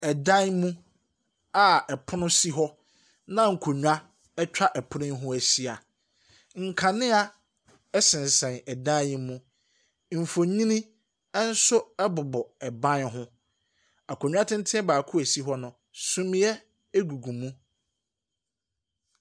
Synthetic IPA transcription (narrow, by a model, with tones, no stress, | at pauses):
ɛ˨dã˦nmũ˦ | a˨ɛ˨pʰʊ˦nʊ̃˦si˦ɦɔ˦ | nã˦ŋ̩˨kʰo˨ɲᶣu˨a˦ | ɛ˦t͡ɕᶣa˦ʔɛ˨pʰʊ˦nɪ̃˦ɦʊ̃˦æ˨si˦a˨ | ŋ̩˨kʰa˨nɪ̃˦a˦ | ɛ˦sɪ̃˨n˨sɛ̃˨nɛ˨dã˦mũ˦ | m̩˨fo˨ɲĩ˦nĩ˦ | ɛ˦n̩˦sʊ˦ɛ˦bʊ˨bɔ˨ɛ˨bã˦nɦʊ̃˦ | a˨kʰo˨ɲᶣ˨˦a˦tʰɪ̃˦n̩˦tʰɪ̃˦ɛ˦baː˨kʰʊ˦æ˨si˦ɦɔ˦nʊ̃˨ | sũ˦m̃˦jɛ˦ | ɛ˦ɡu˨ɡũ˨mũ˦